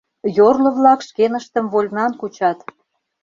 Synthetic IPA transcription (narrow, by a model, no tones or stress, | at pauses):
jorlə̆βlɑkʃkenəʃt̪ə̆mβolʲnɑnkut͡ɕɑt̪